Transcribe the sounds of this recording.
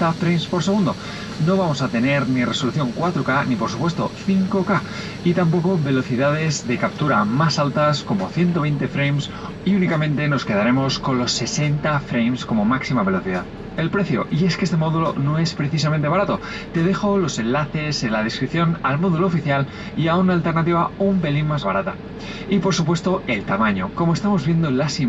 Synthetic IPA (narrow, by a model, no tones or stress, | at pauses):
t̪afɾejmspo̞ɾse̞ɣund̪o̞ | no̞βamo̞sat̪e̞ne̞ɾnire̞so̞luθjo̞ŋkwat̪ɾokanipo̞ɾsupwe̞st̪o̞̰θiŋko̞ka | it̪ampo̞ko̞βe̞lo̞θiðað̞e̞zðe̞kap̚t̪uɾamasalt̪asko̞mo̞θje̞nt̪oβe̞jnt̪e̞fɾejms | iunikamẽnt̪e̞no̞ske̞ðaɾe̞mo̞sko̞nlo̞sːe̞se̞nt̪afɾejmsko̞mo̞maksimaβ̞e̞lo̞θiðað | e̞lpɾe̞θjo̞̰ʔie̞skee̞st̪e̞mo̞ðulo̞no̞e̞spɾe̞θisamẽnt̪eaɾat̪o̞ | t̪e̞ð̞e̞xo̞lo̞se̞nlaθe̞selað̞eskɾipθjo̞nalmoðuloːfiθjal | iaunaːlt̪e̞ɾnat̪̬iβaumbe̞linmazβaɾat̪a | ipo̞ɾsupwe̞st̪o̞e̞lt̪amaɲo̞̰ko̞mo̞e̞st̪amo̞zβje̞nd̪olasi